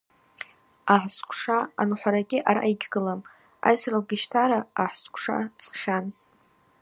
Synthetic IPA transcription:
aħskʷʰʼʂaa̰nħʷaɾaɡʲɪʔaɾa̰jɡʲɡɨlam | a̰jsraɡʲɪʃtʰaɾaaħskʷʰʂa̰t͡sʰʼχʲan

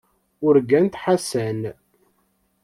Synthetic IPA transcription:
ʊɾɡænt̪ħasæn

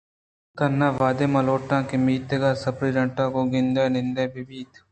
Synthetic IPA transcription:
k̪ənãːʋaːd̪eːmaloːʈãːkemiːt̪əɡaːsəpɾiːɾə̃ɳʈãːkoːɡɪnd̪eːnɪ̃nd̪eːbɪbiːt̪

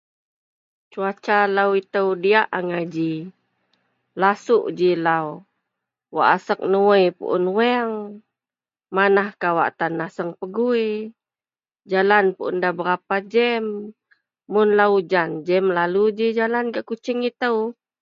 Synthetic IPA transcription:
t͡ʃuat͡ʃalawit̪əwdiaʔaŋad͡ʒi | lasuʔd͡ʒilaw | wa̰ʔasək̚nuwəjpṵʔʊ̰nwɛŋ | manahkawa̰ʔt̪anahsəŋpəɡui | d͡ʒalanpuʔʊndabəɾapad͡ʒɛmː | ʊnlaud͡ʒand͡ʒɛmlalud͡ʒid͡ʒalanɡaʔkut͡ʃɪŋit̪əw

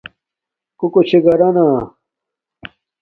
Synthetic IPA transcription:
kukot͡ɕʰiɡɐɾɐna

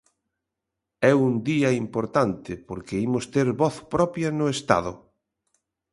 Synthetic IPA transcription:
ɛund̪iɐimpoɾt̪ant̪ɪpoɾkeimʊst̪eɾβɔθpɾɔpjɐnʊest̪a̰ðʊ̰

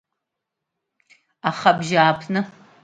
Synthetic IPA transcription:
aχɐbʒaːpʰnɨ

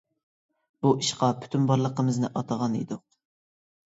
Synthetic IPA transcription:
b̥uʔiʃqɑpʰy̥t̪ʰynbɑɾlˠəqəmɨznɪ̰ʔɑt̪ʰəʁɑnḭd̪ʊq̚

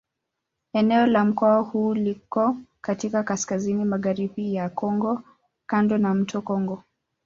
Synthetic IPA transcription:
ɛnɛɔlam̩kɔahuːlikɔkatikakaskazinimaɣaɾiɓijakɔŋɡɔ | kandɔnam̩tʰɔkɔŋɡɔ

